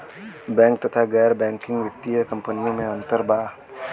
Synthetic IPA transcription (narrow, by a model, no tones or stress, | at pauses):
bɛŋk̚t̪ət̪aɡarbɛŋkɪŋwit̪iəkəmpəniumeɔnt̪ərba